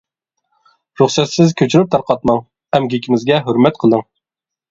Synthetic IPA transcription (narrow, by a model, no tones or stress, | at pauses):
ɾuχsɛt̪sɪzkʲʰøt͡ʃʰyɾyp̚t̪ʰɑɾqɑt̪mɑŋ | ɛmɡʲikʲʰimɪzɡʲɛɦɵɾmɛt̪qʰəlˠəŋ